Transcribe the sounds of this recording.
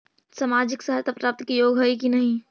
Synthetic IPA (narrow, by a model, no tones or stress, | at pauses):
samad͡ʒɪksəɦəɾt̪ʰapɾaːp̚t̪əkijoːɡɦojkinəɦĩ